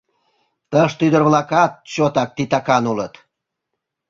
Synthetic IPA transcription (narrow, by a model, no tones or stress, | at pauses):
t̪əʃt̪yd̪ərβlɑkɑt̪̚t͡ɕot̪ɑk̚t̪it̪ɑkɑnulət̪